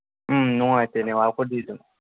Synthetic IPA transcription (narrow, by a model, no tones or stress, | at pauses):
nũŋatɛnɛ̃wakodido